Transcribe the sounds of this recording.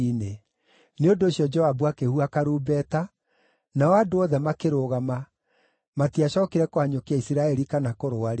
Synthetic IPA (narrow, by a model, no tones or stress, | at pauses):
ne | neondoːɕjɔd͡ʒɔabwakehuakaɾuːbɛta | naɔadoɔðɛmakeɾoɣama | matiaɕɔkeɾɛkoaɲokeaisiɾaɛɾikanakoɾoaɾe